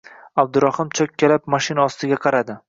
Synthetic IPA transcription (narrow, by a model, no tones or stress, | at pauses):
ab̚d̪ʊɾɒhɪmt͡ʃʰɒkʲʰːelapmɒʃɪnaɒst̪ɪɡʲaqʰɑɾad̪ɪ